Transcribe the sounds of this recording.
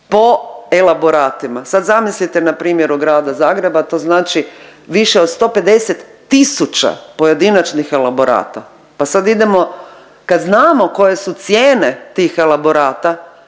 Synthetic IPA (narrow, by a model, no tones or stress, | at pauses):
po̞e̞labo̞ɾaːt̪imasad̪zamislit̪enapɾiːmje̞ɾuɡɾaːd̪azaːɡɾe̞bat̪o̞ːznaːt͡ʃiʋiʃeod̪st̪o̞pe̞d̪e̞set̪ːisut͡ʃa̰po̞je̞d̪inat͡ʃnixe̞lˠabo̞ɾa̰ːt̪a | pasad̪id̪emo̞ | kad̪znaːmo̞ko̞je̞sut̪sjeːne̞t̪iːxe̞labo̞ɾaːt̪a